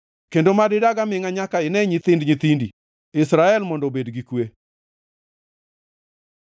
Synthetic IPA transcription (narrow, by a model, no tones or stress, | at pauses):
kendomadɪdaɡamɪŋaɲakaɪnɛɲɪt̪ɪndɲit̪indi | ɪsɾaɛlmɔndɔbedɡikwe